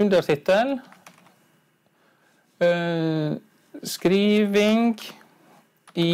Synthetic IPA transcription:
ʉnd̪əɾt̪ʰɪt̪əl | skɾiːʋɪŋɡ | i

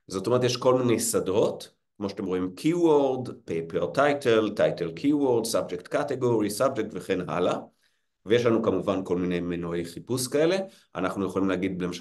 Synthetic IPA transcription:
zot̪omeet̪̬eʃko̞lmine̞jsadʁo̞t | kmo̞ʃat̪emʁo̞imkʰiwoʁd̪pejpeʁtajteltajtelkʰiwoʁd̪sabd͡ʒekt̪kateɡoʁisab̚d͡ʒek̚tveχe̞nɦa̰la | veje̞ʃlanukamuvanko̞lmine̞jmenoejχipuskae̞le̞ | a̰naχnujeχolimleaːɡid̪̚blema

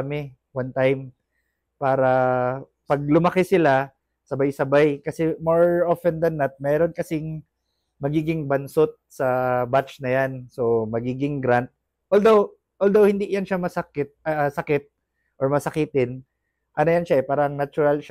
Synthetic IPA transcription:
mɪ | want̪ajm | paːɾɐ | pɐɡ̚lʊmɐkɛsɪla | sɐbajsɐbajkɐsɛmoɹofɛnd̪ɐnːɐt̪̚mɛːɾo̞nkɐsɪŋ | mɐɡiːɡɪŋbɐnsot̪̚sɐbat͡ʃnɐjanso̞mɐɡiːɡɪŋɡɾant̪̚ | ʔold̪ow | ʔold̪owhɪnd̪ijanʃamɐsɐkɪt̪̚ɐsɐkɪt̪̚ | ʔoɹmɐsɐkɪt̪ɪn | ʔɐnojanʃaʔɛpaːɾɐŋnɐt͡ʃʊɾalʃ

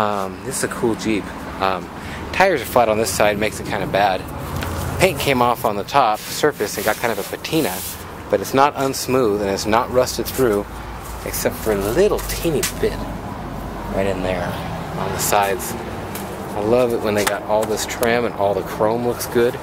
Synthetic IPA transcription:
ʌ̃mðɪsɨkʰulˠd͡ʒip | ʌ̃m | tʰaɪə˞zəflaɪɾn̩ðɪsaɪd̚meɪksɨt̚kʰãɪ̃ndɨbæd̥pʰẽɪ̃nkʰẽɪ̃mɔfn̩ðətʰɑpsɜ˞fɨsɨ̃n̩ɡɑt̚kʰãɪ̃ndɨvɨpʰɨtʰĩnɨ | b̥ʌɾɨtsnəɾʔə̃nsmuðɨ̃nɨtsnəʔ̚ɹʌstɨd̪̚θɹʉ | ʔɨ̰ksɛp̚tfə˞ɨlɪɾl̩ˠtʰĩnibɪt̚ | ɹa̰ɪɾɨ̃nðə˞ | ə̰̃nðəsaɪdz̥ | aɪlʌvɨʔ̚wə̃nðeɪɡɑɾɔlˠðɪstʰɹ̥ɪ̃mə̃nʔɔlˠðəkʰɹ̥õʊ̃nlʊksɡ̥ʊd̥

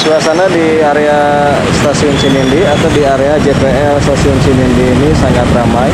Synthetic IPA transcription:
suasanadi | aɾea | st̪asiɔnt͡ʃinindiat̪awdiaɾead͡ʒet̪eɛlst̪asiɔnsinindiːnisaŋat̪ramaj

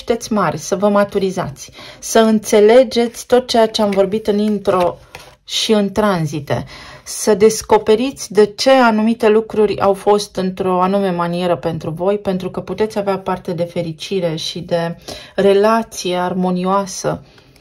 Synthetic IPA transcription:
ʃt̪e̞t̪sʲmarʲsəvəmat̪uɾiza̰t̪sʲsəɨnt̪se̞le̞d͡ʒe̞t̪sʲt̪o̞t̪̚t͡ʃe̞jat͡ʃe̞amvo̞rbit̪ɨnint̪ɾo̞ | ʃiɨnt̪ɾanzit̪e̞̰səd̪e̞sko̞pe̞ɾit̪sʲd̪e̞t͡ʃe̞anumit̪e̞lukɾurʲa̰wfo̞st̪ɨnt̪ɾo̞anume̞manie̞ɾəpe̞nt̪ɾuvo̞jpe̞nt̪ɾukəput̪e̞t̪sʲaveapart̪e̞d̪e̞fe̞ɾit͡ʃiɾe̞ʃid̪e̞re̞lat̪sijearmo̞nioasə

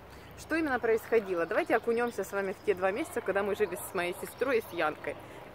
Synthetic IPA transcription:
ʂt̪o̞imʲɪnːəpɾəɪsxɐdʲilˠəd̪ɐvajtʲɪɐkʊnʲo̞msʲəsvamʲɪftʲe̞d̪vamʲesʲɪt̪səkɐɡd̪amɨʐɨvʲɪsmɐjejsʲɪst̪ɾo̞jsjankə̰j

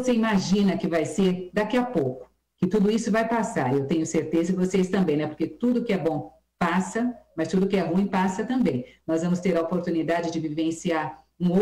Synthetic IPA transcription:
voseimaʒĩnɐkɪvajseɾd̪akiapowkʊ̥ | kɪt̪ud̪ʊisʊvajpasaɾewt̪ẽɲʊseɾt̪ezɐd͡ʒɪvosest̪ɐ̃mbẽj̃nɛpoɾket̪ud̪ʊkɪɛbõ | pasɐmɐst̪ud̪ʊkɪɛɦũĩpasɐt̪ɐ̃mbẽj̃nɔzvɐ̃mʊst̪eɾɐopoɾt̪unid̪ad͡ʒɪd͡ʒɪvivẽsiaɾ | ũo

